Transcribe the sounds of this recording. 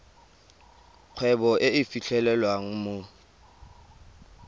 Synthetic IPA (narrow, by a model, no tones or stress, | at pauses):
q͡χʰwɛbɔʔeɪfiɬʰɛlɛlwaŋ̩mo